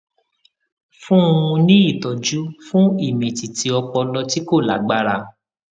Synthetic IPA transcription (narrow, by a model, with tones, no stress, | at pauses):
fũ˦˧ũ˧nĩ˦i˦˨tɔ˨d͡ʒu˨˦fũ˦i˦˨mɛ̃˨ti˨ti˧ɔ˧k͡pɔ˧lɔ˧ti˦ko˦˨la̰˨ɡ͡ba˦ɾa˧